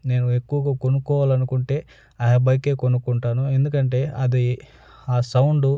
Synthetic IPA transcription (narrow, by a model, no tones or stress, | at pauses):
ne̞ːnue̞kːuʋɐɡaːkonukɔːʋaːlɐnukuɳʈe̞ː | ɐjɐbɐjke̞ːkonukuɳʈaːnue̞nd̪ukɐɳʈe̞ːɐd̪i | aːsɐwɳɖu